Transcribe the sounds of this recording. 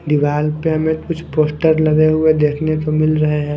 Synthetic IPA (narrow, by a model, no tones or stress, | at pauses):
d̪ɪʋaːlpeɦɐmẽkʊt͡ʃʰpoːsʈəɾlɐɡeɦʊed̪eːkʰnet̪omɪlɾɐɦeɦɛ̃ː